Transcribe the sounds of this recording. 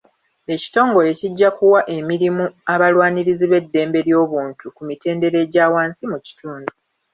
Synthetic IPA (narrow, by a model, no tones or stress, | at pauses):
e̞ci̥to̞ːŋɡo̞le̞ciɟːakuwaʔe̞miɾimuaβalwaːniɾiziβe̞dːe̞ːmbe̞ɾjo̞ːβuːntukumite̞ːnde̞ɾe̞ɟaːwaːnsimuci̥tuːndu